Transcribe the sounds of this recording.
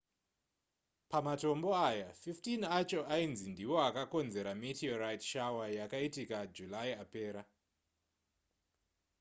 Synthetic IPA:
pamato̞mbo̞ajafiftinat͡ʃo̞ʔainzindiwo̞akako̞nze̞ɾamitiorajtʃawajakaitikad͡ʒulajiape̞ːɾa

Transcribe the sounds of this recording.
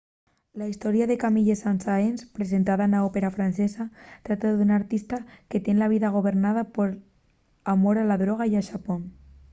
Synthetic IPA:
laist̪oɾjaðekamiʎesansaenspɾesent̪aðaenaopeɾafɾansesat̪ɾat̪aðunaɾt̪ist̪aket̪enlaβ̞iðaɣ̞oβ̞eɾnað̞apoɾ | amoɾalaðɾoɣ̞ajaʃapoŋ

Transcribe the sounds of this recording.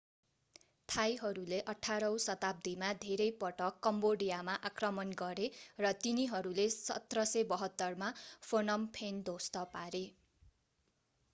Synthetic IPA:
t̪ʰajɦʌɾuleʔʌʈʰaɾʌw̃sʌt̪ab̚d̪ʱimad̪ʱeɾʌjpʌʈʌkːʌmboɽijamaʔakrʌmʌnɡʌɾerʌt̪iniɦʌɾulesʌ̰t̪rʌsebʌɦʌt̪ːʌrmapʰonʌmpʰend̪ost̪ʌpaɾe

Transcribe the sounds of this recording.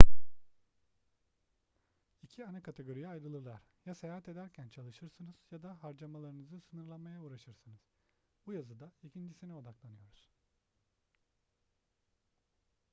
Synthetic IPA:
icʰianakat̪ʰe̞ɡo̞ɾijɛajɾɯlˠɯɾlˠaɾ̥jasejaːɦat̪e̞d̪æɾcʰænt͡ʃʰalˠɯʃɯɾsɯnɯz̥jad̪aɦaɾd͡ʒamalˠaɾɯnɯzɯsɯnɯɾlˠanmajauːɾaʃɯɾsɯnɯz̥ | bujazɯd̪aicʰind͡ʒisinio̞d̪aklˠanɯjo̞ɾuz̥

